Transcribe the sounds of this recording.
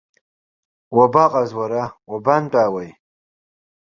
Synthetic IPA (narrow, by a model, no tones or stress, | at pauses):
wɐbaːqʼazwɐɾawɐbanʈaːwɐj